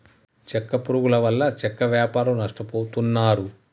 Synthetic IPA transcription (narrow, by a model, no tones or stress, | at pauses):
t͡ʃɛkːɐpuɾuɡulɐʋɐlːɐt͡ʃɛkːɐʋjaːpaːɾɐmnɐʂʈɐpoːt̪unːaːɾu